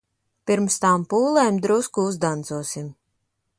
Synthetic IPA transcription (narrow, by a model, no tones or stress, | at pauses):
piɾmst̪aːmpuːlˠɛːmd̪ɾuwskuuzd̪ant̪zuɔsim